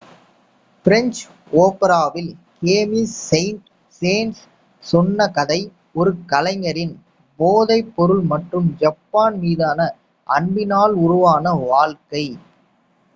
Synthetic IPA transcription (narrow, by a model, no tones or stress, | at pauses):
fɪɾɛɲt͡ʃ | oːpɐɾaːʋɪlkeːmisːɐɪnʈ | seːns | sɔnːɐkɐðɐɪ | ɔɾɯkɐlɐɪŋɐɾɪn | boːðɐɪpːɔɾɯɭmɐʈrɯmd͡ʒɐpːaːnmiːðaːnɐ | ʔɐɳbɪnaːlʊrʊʋaːnɐʋaːlkɐɪ